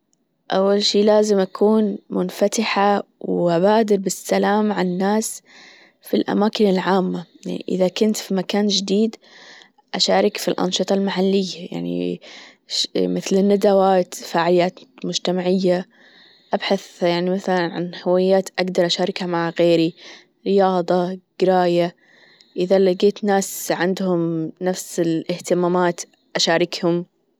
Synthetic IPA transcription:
ʔawːalʃiːlaːzɪmʔakʰuːnmʊnfat̪ɪħawʔabaːd̪ɪɾbɪsːalaːmʕanːaːs | filʔa̰maːkɪnɪlʕaːmːajaʕnḭʔɪ̰ðakʊnt̪fimakaːnd͡ʒɪd̪iːd̪ | ʔaʃaːɾˤɪkfilʔa̰nʃɨt̪ˤɑlmaħalːɪjːaja̰ʕnḭ | mɪθlɪnːad̪awaːt̪faːʕɪlɪjaːt̪mʊd͡ʒt̪amaʕɪjːa | ʔabħaθjaʕnimaθalanʕa̰nhawajːaːt̪ʔaɡd̪ɑɾˤʔaʃaːɾɪkhamaʕɣeːɾi | ɾɪjɑːðˤɑɡ̥ɪɾaːja | ʔɪðalɡeːt̪naːsʕɪnd̪hʊmnafsɪlʔɪht̪ɪmaːmaːt̪ | ʔaʃaːɾɪkhʊm

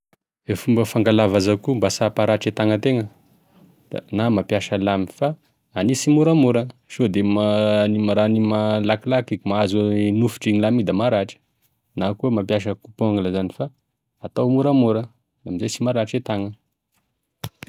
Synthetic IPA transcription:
efumbəfaŋɡalavazakumbasapaɾaʈ͡ʂet̪aŋət̪eŋə̥ | a̰namapjaʃəlamifa | anisimuɾamuɾəʃod̪emanimaɾanimalakilakikmaazunufu̥ʈ͡ʂiŋilamid̪amaɾaʈ͡ʂə̥ | nakuəmapjaʃ̬əkupoŋiləzanifa | at̪awmuɾamuɾə | lamizet͡simaɾaʈ͡ʂet̪aŋə

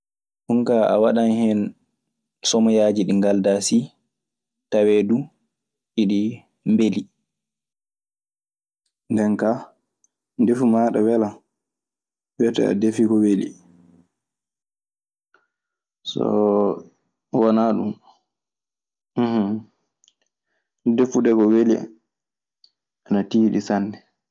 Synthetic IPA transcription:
ʔunkaʔa̰waɗanhɛn | sɔmɔjad͡ʒiɗiŋɡaldasi | tawedu | ʔiɗi | mbeli | ndɛnka | ndefumaɗawɛla | wɛtɛ̰a̰defikɔwelḭ | sɔ̰ | wɔnaɗum | h | defuɗɛkɔweli | anatiɗisanːɛ

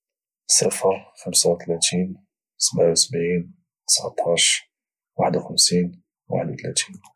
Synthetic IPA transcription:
səfəɾˤxəmsawt̪læt̪ʰin | səbʕawsəbʕin | t̪ə̥sʕt̪ˤʰːɑʃ | waħəd̪wxəmsin | wa̰ħəd̪wt̪læt̪in

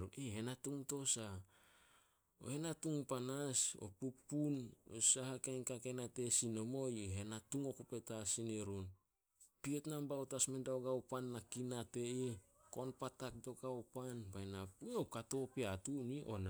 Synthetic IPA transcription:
ɾunihenatuŋto̞sa | o̰he̞natuŋpanaso̞̰pupuno̰sahakajnkakenate̞sino̞mo̞jeɦenatuŋo̞kupe̞tasineɾun | pietnambaotasmendawɡawpanːakinate̞iko̞npatak̚do̞ɡaopanbaenapueokato̞piatuniʔo̞̰na

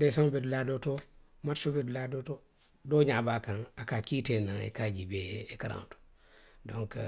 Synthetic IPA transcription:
desaŋbedladoto | matsobedladoto | doɲabaːkaŋakakiteːnaŋḛkaɟibeekaɾã̰nto̥ | dõŋk

